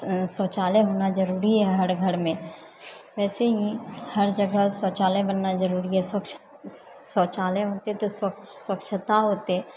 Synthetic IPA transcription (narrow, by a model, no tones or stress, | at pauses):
sɔːt͡ʃaːlẽɦoːnad͡ʒəɾuːɾiɦɛɦəɾɡʱəɾmẽ | ʋɛːseɦĩhɐɾd͡ʒəɡəɦsɔːt͡ʃaːlẽbənːazəɾuːɾiɦɛswəkʃ | sɔːt͡ʃaːlẽɦoːt̪eɦɛt̪oswəkswəkʃʰət̪aɦoːt̪eɦɛ